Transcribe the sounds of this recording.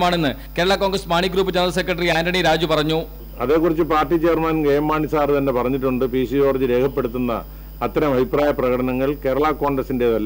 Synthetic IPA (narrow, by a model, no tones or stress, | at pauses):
maːɳe̞nːɨ | keːɾɐɭaːkːo̞ːŋɡrɐsmaːɳiɡɾuːp̬ːɨt͡ɕɐnd̪rɐse̞kːrɐʈːɐriaːndɐɳiɾaːd͡ʑupɐrɐɲːu | ɐðe̞ːkːurit͡ɕːɨpaːrʈːit͡ɕeːrmaːnɡejɐmːaːɳisaːrt̪ɐnːe̞pɐrɐɲːiʈːuɳɖɨpiːsio̞ːrɐd͡ʑiɾe̞ːkʰɐpːe̞ɽut̪ːunːɐ̰ː | t̪ːɐɾɐmɐbʱipraːjɐprɐɣɐʈɐnɐŋːɐɭke̞ːɾɐɭaːkːo̞ːŋɡrɐsindeðɐlːɐ